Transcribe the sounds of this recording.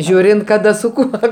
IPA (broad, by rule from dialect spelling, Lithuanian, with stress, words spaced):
ˈʒʲuːrʲɪnt kɐˈdɐ sʊ ˈkuɔ